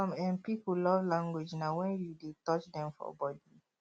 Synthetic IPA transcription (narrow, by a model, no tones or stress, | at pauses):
ɔ̃mɛ̃npipulɔvlãŋɡwed͡ʒnawɛ̃njudetɔt͡ʃdɛ̃mfɔ̰bɔdi